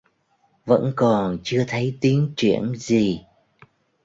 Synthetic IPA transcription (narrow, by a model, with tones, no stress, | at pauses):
və̰˧˥nkɔ˨˩nt͡ɕɨ˧ət̪ʰə˨˦jt̪i˨˦ənt͡ɕwḭ˧˩ənzi˨˩